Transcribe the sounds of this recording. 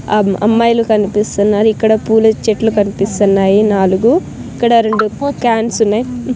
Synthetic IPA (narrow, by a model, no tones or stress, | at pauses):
ɐ̰mːɐːjlukɐnipist̪unːaːɾuikːɐɽɐpuːlɐt͡ʃeʈlukɐnipist̪unːaːjinaːluɡu | ikːɐɽɐɾeɳɖukaːnsunːaːji